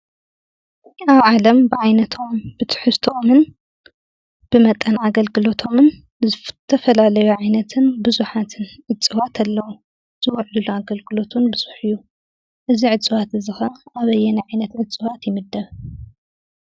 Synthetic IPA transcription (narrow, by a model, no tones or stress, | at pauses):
aβʕalɐmbɨʕajnɐt̪ʰo̞mb̥ɨt̪ʰɨ̥ħɨst̪ʰomɨn | b̥ɨmɐt̪ʼːɐnaɡɐlɡɨlo̞t̪ʰo̞mɨn | t̪ʰɐfɐlalɐjuʕajnɐt̪ʰɨnbɨzuħat̪ʰɨnʕɨt͡sʼɨβat̪ʰalːɐwu | z̥ɨwɐʕluluaɡɐlɡɨlo̞t̪ʰunbɨz̥uħɨjːu | ʔɨziʕɨdt͡sʼɨβat̪ɨzɨxɐʔaβɐjːɛnajʕajnɐt̪ʕɨdt͡sʼɨβat̪jɪmɨd̪ːɐβ